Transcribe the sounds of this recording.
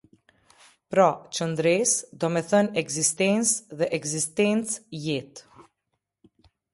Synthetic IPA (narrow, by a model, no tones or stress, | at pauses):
pɾɔt͡ʃənd̪ɾisd̪ɔmɛθənɛɡzist̪ɛnt͡sðɛʔɛɡzist̪ɛnt͡sjit̪